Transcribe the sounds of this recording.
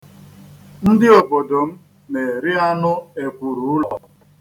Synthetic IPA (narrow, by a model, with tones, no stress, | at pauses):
n̩˦dɪ˦o˨bo˨do˨m̩˦ | ne˨ɾɪ˦a˦nʊ˦e˨kʷu˨ɾu˨˦lɔ˨